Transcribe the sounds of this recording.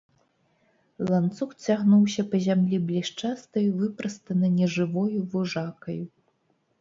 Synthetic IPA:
lˠant̪suxt͡sʲaɣnuwsʲɐpɐzʲamlʲiblʲiʂt͡ʂast̪ɐjuvɨpɾɐst̪ɐnɨnʲɛʐɨvɔjuvuʐakɐju

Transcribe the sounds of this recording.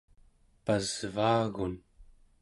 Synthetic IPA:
pazvaːɣun

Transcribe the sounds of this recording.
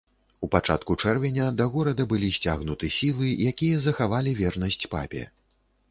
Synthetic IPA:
upat͡ʂa̰t̪̚kut͡ʂɛrvʲɛnʲɐd̪ɐɣɔɾɐd̪ɐbɨlʲisʲt͡sʲaɣnut̪ɨsʲilˠɨjakʲijɐzɐxavalʲivʲɛrnɐsʲt͡sʲpa̰pʲɛ̰

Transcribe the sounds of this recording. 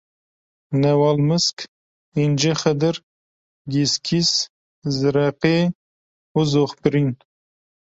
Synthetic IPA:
nawaːlməsk | ind͡ʒeχəd̪əɾ | ɡiskʰis | zɾaqe | uzoχpɾin

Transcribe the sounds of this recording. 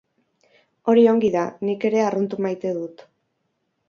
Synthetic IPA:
o̞ɾio̞ŋɡiðanike̞ɾe̞arunt̪umajt̪e̞ðut̪

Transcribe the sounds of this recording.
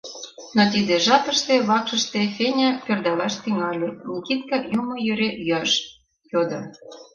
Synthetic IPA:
not̪id̪eʒɑp̪ə̆ʃt̪eβɑkʃə̆ʃt̪efʲenʲɑpørd̪ɑlɑʃt̪yŋɑlʲenʲikit̪̚kɑjumŏjøɾeʔjyɑʃ | jod̪ŏ

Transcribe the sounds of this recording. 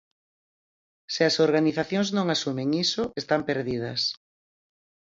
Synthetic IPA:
sɪɐsoɾɣaniθaθjõŋznõŋasumeŋisʊʔest̪ampeɾðið̞ɐ̰s

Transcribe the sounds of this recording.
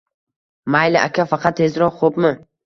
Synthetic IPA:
majlɪʔa̰kʲʰafɑqʰɑt̪ʰːezɾɒχopmɪ

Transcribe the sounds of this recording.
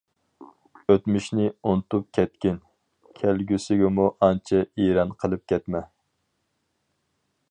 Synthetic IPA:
øt̪myʃnɪunt̪up̚kʲʰɛt̪̚kʲɪn | kʲʰælɡʲysɪɡʲɛmuʔɑnt͡ʃʰɛeɾɑnqʰəlˠɨp̚kʲʰɛt̪mɛ

